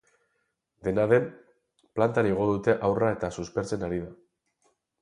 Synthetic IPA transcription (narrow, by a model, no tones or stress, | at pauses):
d̪e̞naðe̞m | plant̪aɾiɣo̞ðut̪e̞ʔawrae̞t̪asuspe̞ɾt͡se̞naɾiða